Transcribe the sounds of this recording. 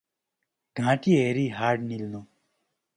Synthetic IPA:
ɡ̥ʱãːʈieɾiːɦaːɾɖnilnõː

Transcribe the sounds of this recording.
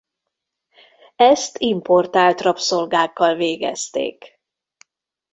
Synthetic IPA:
ɛst̪impo̞rt̪aːlt̪rɒpso̞lɡaːkːɒlveːɡɛ̰st̪ḛːk

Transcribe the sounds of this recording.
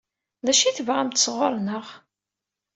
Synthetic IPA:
ðæʃiθəvʁæmt̪ə̥sˤʁoɾˤnəʁ

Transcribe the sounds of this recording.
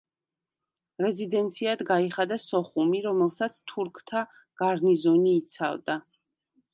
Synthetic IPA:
ɾɛzid̪ɛnt̪sʰiad̪ɡaiχad̪asɔχumiɾɔmɛlˠsat̪sʰt̪ʰuɾkʰt̪ʰa | ɡ̥aɾnizɔniːt̪sʰa̰vd̪a

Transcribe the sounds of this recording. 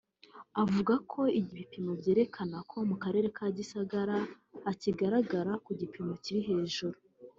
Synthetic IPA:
avuɡakʰo̞iɟiβipino̞bɟe̞ːɾe̞kʰanakʰo̞mukaɾe̞ːɾe̞kaɟisaɡaɾaː | ciɡaɾaɡaɾakuɟipimo̞ciɾiɦe̞ːʒuɾu

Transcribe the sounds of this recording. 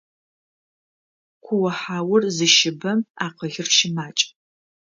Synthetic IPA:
qʷʰʊwɐħaːwʊrzɨʃɪbɐmaːqəɣɪrʃɪmaːt͡ʃʼ

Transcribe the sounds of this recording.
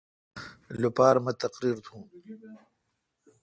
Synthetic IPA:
lupaːɾmɐt̪ɐqɾiːɾt̪ʰũː

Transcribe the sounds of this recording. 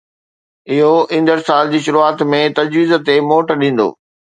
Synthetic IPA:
ɪɦoĩːnd̪əɾsaːld͡ʑiːʃʊɾuaːt̪mẽt̪ɐd͡ʑʋiːz̆t̪emoːʈɗĩːn̆d̪o̰ː

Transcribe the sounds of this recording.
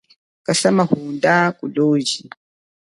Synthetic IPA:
kasamahundakuloːd͡ʒi

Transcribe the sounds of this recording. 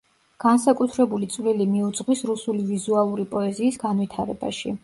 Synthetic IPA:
ɡ̥ansakʼut̪ʰɾɛbulit̪sʼvlilimiud̪zʁwisɾusulivizualˠuɾipʼɔɛziːsɡ̥anvwit̪ʰaɾɛba̰ʃḭ

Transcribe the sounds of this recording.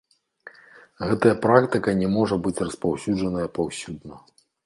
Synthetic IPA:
ɣɛt̪ɐjɐpɾakt̪ɨkɐnʲɛmɔʐɐbɨt͡sʲrɐspawsʲud͡ʐɐnɐjɐpawsʲud̪nɐ

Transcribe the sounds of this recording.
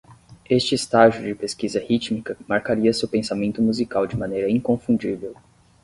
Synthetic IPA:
est͡ʃɪːst̪aʒʊd͡ʒɪpeskizɐhit͡ʃmikɐmaɾkaɾiɐsewpẽsamẽnt̪ʊmuzikawd͡ʒɪmɐ̃nejɾɐĩŋkõfũd͡ʒivew

